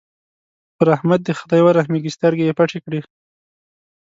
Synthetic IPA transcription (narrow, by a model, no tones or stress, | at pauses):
pəɾahmad̪̚d̪əxḁt̪ajwaɾahmiɡist̪aɾɡejepaʈekɽi